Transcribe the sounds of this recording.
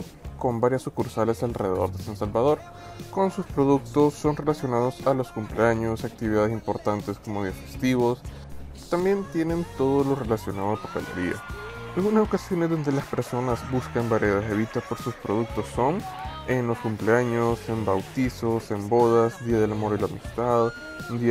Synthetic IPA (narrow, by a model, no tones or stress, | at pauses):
ko̞mbaɾjasːukuɾsale̞salreðe̞ðo̞ɾðesansalβað̞o̞ɾ | ko̞nsuspɾo̞ðuk̚t̪osːo̞nre̞lasjo̞naðo̞saloskumpleaɲo̞sak̚t̪iβiðaðe̞s̬impo̞ɾt̪ant̪e̞sko̞moðjiafest̪iβo̞s | t̪ambje̞nt̪je̞ne̞nt̪o̞ðolo̞re̞lasjo̞naðopokalḛɾia̰alɣunaso̞kasjo̞ne̞zðo̞nd̪e̞laspe̞ɾso̞nazbuskambaɾjeðazeβit̪apoɾsuspɾoð̞uk̚t̪o̞sːo̞nenlo̞skumpleaɲosembawt̪isosembo̞ðazd̪iaðe̞lamo̞ɾilaamist̪að | d̪i